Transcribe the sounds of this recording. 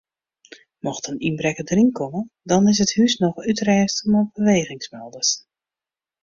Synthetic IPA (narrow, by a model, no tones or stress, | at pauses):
mɔxtəninbrɛkədriŋkʰɔmədɔnɪsəthysnɔxytrɛːstəmɔbəʋeːɣɪŋsmɛlˠdəs